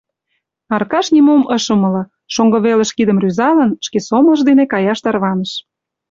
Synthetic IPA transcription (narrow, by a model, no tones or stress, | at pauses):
ɑrkɑʃnʲimoməʃə̆mə̆lɤ̆ | ʃoŋɡɤ̆βelə̆ʃkid̪ə̆mryzɑlə̆nʃkesomə̆ʒd̪enekɑjɑʃt̪ɑrβɑnəʃ